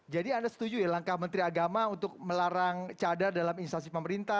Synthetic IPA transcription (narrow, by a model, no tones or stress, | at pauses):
d͡ʒadiandasə̥t̪ud͡ʒujalaŋkahmənt̪ɾiaɡamaunt̪ʊk̚məlaɾaŋt͡ʃadardalaminist̪as̬ipəməɾint̪a